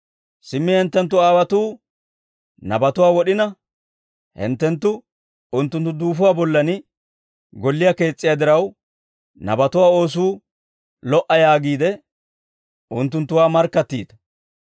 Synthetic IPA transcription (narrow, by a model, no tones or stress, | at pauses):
sɪmːɪhɛnt̪ːɛnt̪ːʊaːwɐt̪uː | nɐbɐt̪ʊwaːwɔɗɪnɐ | hɛ̰nt̪ːɛnt̪ːʊ | ʊnt̪ːʊnt̪ːʊd̪uːfʊwaːbɔlːɐnɪ | ɡɔlːɪjake̞ːt͡sʼːɪjad̪ɪɾɐw | nɐ̰bɐt̪ʊwaːo̞ːs̬uː | lɔʔɐjaːɡiːd̪ɛ | ʔʊnt̪ːʊnt̪ːʊwaːmɐɾkːɐt̪ːḭːd̪ɐ̥